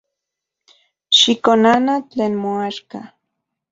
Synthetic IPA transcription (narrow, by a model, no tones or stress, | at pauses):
ʃikonanat͡ɬeːnmoaʃka